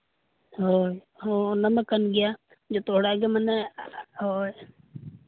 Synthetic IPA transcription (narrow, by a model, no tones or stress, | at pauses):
ɦo | ɦonəməkːənɡɪjaː | d͡ʒoːt̪oːɽaɡeməneɦoː